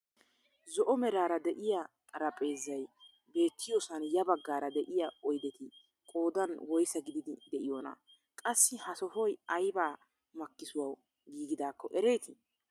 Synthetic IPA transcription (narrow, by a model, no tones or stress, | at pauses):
zɔʔɔmɛɾaːɾɐd̪ɛʔɪjat̪ʼɐɾɐpʼe̞ːzːɐj | be̞ːt̪ːɪjoːsɐnjɐbɐɡːaːɾɐd̪ɛʔɪjaɔjd̪ɛt̪ɪ | kʼo̞ːd̪ɐnwɔjsɐɡɪd̪ɪd̪ɪd̪ɛʔɪjoːnɐ̰ | kʼɐsːɪhɐsɔfɔjɐjbaː | mɐkːɪsʊwaw | ɡiːɡɪd̪aːkːɔʔɛɾe̞ːt̪ɪ